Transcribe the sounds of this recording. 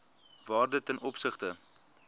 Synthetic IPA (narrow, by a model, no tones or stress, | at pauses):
vɑːrdətːɛnʔɔpsəχtə